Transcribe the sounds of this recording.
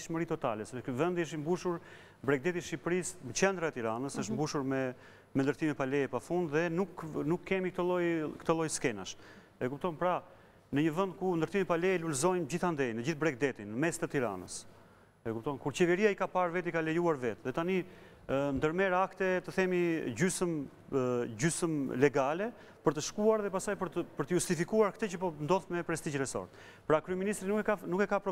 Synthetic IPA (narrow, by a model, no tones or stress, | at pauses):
ʃməɾit̪ɔt̪alɛsɛkvɛnd̪iəʃ̬imbuʃuɾ | bɾɛk̚d̪ɛt̪iʃipɾismɛt͡ɕɛnd̪ɾaɛt̪iɾanəsəʃt̪mbuʃuɾmɛ | mɛnd̪əɾt̪imɛpalɛjɛpafund̪ðɛnuknukːɛmik̚t̪əlˠɔjkt̪əlˠɔjskɛna̰ʃ | ɛkup̚t̪ɔnpɾa | nəɲəvənd̪̚kund̪əɾt̪imipalɛjɛlulzɔjmd͡ʑiθand̪ɛjnəd͡ʑiθbɾɛk̚d̪ɛt̪inːəmɛst̪ət̪iɾa̰nə̰s | ɛkup̚t̪ɔnkuɾt͡ɕɛvɛɾiaikapaɾvɛt̪ikalɛjuaɾvɛt̪ðɛt̪ani | nd̪əɾmɛɾakt̪ɛt̪əθɛmid͡ʑysəm | d͡ʑysəmlɛɡalɛ | pəɾt̪əʃkuaɾðɛpasajpəɾt̪əpəɾt̪əjust̪ifikuaɾkt̪ɛt͡ʃəpɔnd̪ɔθmɛpɾɛst̪id͡ʑɾɛsɔ̰ɾt̪̚ | pɾakɾyɛminist̪ɾinukanukɛkapɾɔ